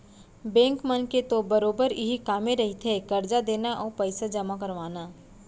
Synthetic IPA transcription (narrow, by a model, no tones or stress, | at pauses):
bɛ̃ːŋkmənket̪obɐɾoːbəɾɪɦikaːmeɾɐɦit̪ʰekɐɾd͡ʒad̪eːnaʔɔːpɐɪsad͡ʒɐmakɐɾʋaːnaː